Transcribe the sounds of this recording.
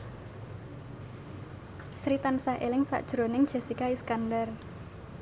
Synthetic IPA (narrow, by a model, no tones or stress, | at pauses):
sɾit̪ansahʔelɪŋsa̰ʔd̥ʒ̥ɾonɪŋd̥ʒ̥ɛ̤sikaiskandar